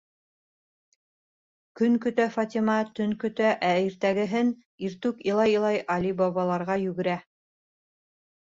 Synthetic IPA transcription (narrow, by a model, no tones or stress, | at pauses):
kɵŋkɵ̆t̪æfɑt̪ʲimɑt̪ɵnkɵ̆t̪æʔæiɾt̪æɡɘ̆ɦɘn | iɾt̪ʉkilˠɑjɤlˠɑjʔɑlʲibɑβɑlˠɑɾʁɑjɵɡɘ̆ɾæ